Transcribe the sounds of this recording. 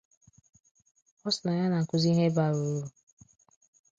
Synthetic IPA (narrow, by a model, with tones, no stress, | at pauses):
ɔ˦sna˨ja˦na˨ŋ̩˨kʊ˦zi˦ɦe˦ba˨ɾo˨˦ɾu˨